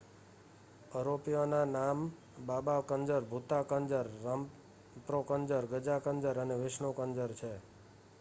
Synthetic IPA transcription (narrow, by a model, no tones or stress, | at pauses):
əɾopijonanam | babakəɲd͡ʒəɾbʱut̪akənd͡ʒəɾːam | pɾokənd͡ʒəɾɡəd͡ʒakənd͡ʒəɾəneʋɪʃɳokənd͡ʒəɾt͡ʃʰe